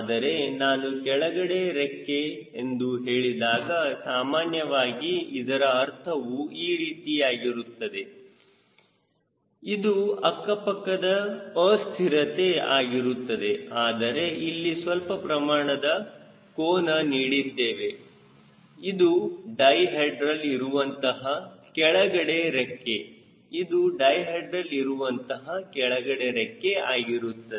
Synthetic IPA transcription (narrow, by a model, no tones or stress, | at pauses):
aːd̪ɐɾe̞naːnukɛɭɐɡɐɽe̞ɾekːeːnd̪uɦeːɭid̪aːɡɐsaːmaːnjɐʋaːɡiid̪ɐɾɐːɾt̪ʰɐʋuiːɾiːt̪iaːɡiɾut̪ːɐd̪e̞ | id̪uɐkːɐpɐkːɐd̪ɐɐːst̪ʰiɾɐt̪e̞aːɡiɾut̪ːɐd̪e̞aːd̪ɐɾe̞ilːisʋɐlpɐpɾɐmaːɳɐd̪ɐ | koːnɐniːɽid̪ːe̞ːʋe̞ | id̪uɖɐjɦeɖɾɐliɾuʋɐnt̪ɐɦɐkɛɭɐɡɐɽe̞ɾekːe̞ | id̪uɖɐjɦeɖɾɐliɾuʋɐnt̪ɐɦɐkɛɭɐɡɐɽe̞ɾɛkːeaːɡiɾut̪ːɐe